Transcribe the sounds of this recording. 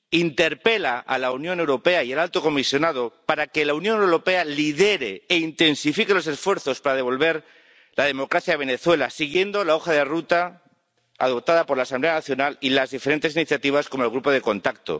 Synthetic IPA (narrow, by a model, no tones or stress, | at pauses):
int̪e̞ɾpe̞laʔa̰launjone̞wɾo̞pe̞aielalt̪oko̞misjo̞nað̞o̞paɾake̞launjõ̞newɾo̞pe̞aliðe̞ɾeeint̪e̞nsifikelo̞sesfwe̞ɾθo̞spaɾaðe̞β̞o̞lβe̞ɾ | lað̞e̞mo̞kɾaθjaβe̞ne̞θwe̞la̰siɣje̞nd̪o̞lao̞xaðe̞rut̪a | a̰ðo̞p̚t̪aðapoɾlaːsãmble̞anaθjo̞nalilazðifeɾe̞nt̪esiniθjat̪iβ̞asko̞moelɣ̞ɾupo̞ð̞e̞ko̞nt̪ak̚t̪o̰